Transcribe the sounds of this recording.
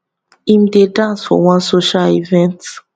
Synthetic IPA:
ĩmdedãnsfɔ̰wɔ̃nsoʃalivɛ̃nt

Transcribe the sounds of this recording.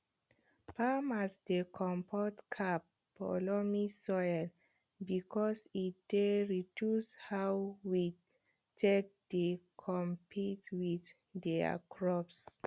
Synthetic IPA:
pʰamasdekʰɔ̃mpʰɔtkʰapː | ɔ̰lɔmisɔjl | bikʰɔsit̚d̥eɹidjushawwi | tʰek̚d̥ekʰɔ̃mpʰitwiθ | dɛa̰kʰɹɔps

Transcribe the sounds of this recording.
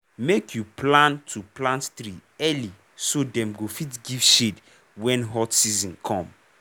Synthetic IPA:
mekʰjuplãntʰuplãnttɾiɛli | sodɛ̃mɡofitɡivʃed | wɛ̃nɦɔtsizɔ̃nkʰɔ̃m

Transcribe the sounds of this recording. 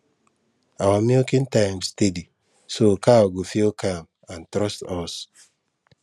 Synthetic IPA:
awamiokĩntãjmstedi | sokʰaoɡofiokʰam | ãntɾɔstɔs

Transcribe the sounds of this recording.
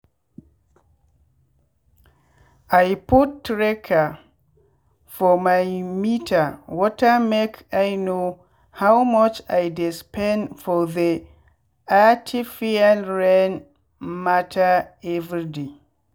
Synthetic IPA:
ʔajputːɹɛkʰa | fɔmajmitʰawɔtamekʰajno | hawmɔt͡ʃajdispɛ̃nfɔði | atʰifianɹɛn | matʰaɛvɾide

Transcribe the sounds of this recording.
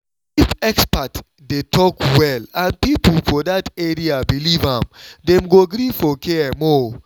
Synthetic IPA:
ʃipɛkspat | detʰɔkwɛlãnpipl̩fɔdatɛɹiabilivãmdẽmɡoɡɾifɔkʰɛmɔ

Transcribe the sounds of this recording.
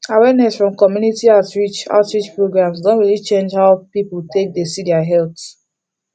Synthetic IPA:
awɛnɛsfɹɔ̃mkɔmjunitiaʊtɹit͡ʃa̰ʊtɹit͡ʃpɹoɡɹãmsdõnɹilit͡ʃẽnd͡ʒhaʊpipultʰek̚desidɛaɦɛlt

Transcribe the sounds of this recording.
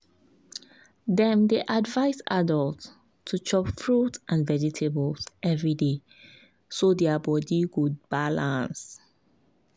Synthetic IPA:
dɛ̃mdeʔadvaɪsadəltʰː | ut͡ʃɔpfɹutʔãnvɛd͡ʒitʰebɔlsɛvɹide | sodɛabɔdiɡud̚b̥alãns

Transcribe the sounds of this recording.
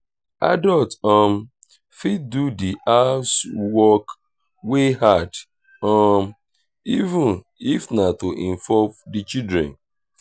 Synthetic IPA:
a̰dɔltɔ̃m | fid̚dudiʔaswɔk | weɦad | ɔm | ivũn | ifnatoʔĩɱfɔvdit͡ʃidɾɛ̰̃n

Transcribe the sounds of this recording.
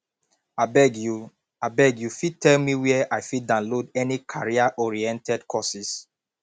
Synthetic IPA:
abɛɡju | abɛɡjufitʰɛlmiwɛʔajfidãʊ̃nlodɛnikʰaɹiaʔɔɹiɛ̃ntɛdkʰɔsis

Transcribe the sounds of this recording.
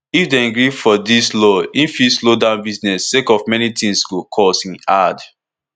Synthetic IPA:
ifdẽɡɹifɔdislɔĩnfislodãʊ̃nbiznɛsːekɔvmɛnitĩŋsɡokʰɔsĩnad

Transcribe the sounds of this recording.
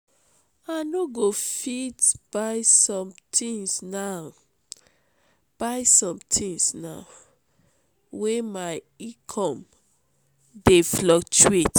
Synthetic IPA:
anoɡofidbajsɔ̃mtʰĩŋsna | b̥ajsɔ̃mtʰĩŋsna | wemaɪ | ikʰɔ̃m | deflɔk̚t͡ʃuet

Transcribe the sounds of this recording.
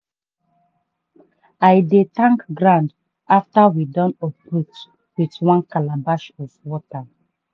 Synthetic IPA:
ajdetãŋkɡɹãnd | aftawidɔ̃nɔpɹut | witwãnkalabaʃɔvwɔta

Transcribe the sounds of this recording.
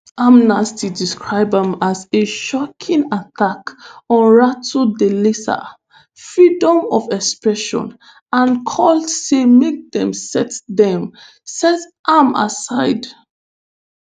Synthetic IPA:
amnastidiskʰɹaɪbãmazeʃɔkʰĩnatakɔ̃nɹatodelisa̰ | fɹidɔ̃mɔfɛkspɹɛʃɔ̰̃n | ãnkʰɔldsemek̚ðɛ̃msɛtðɛ̃m | sɛtʔãma̰saɪd

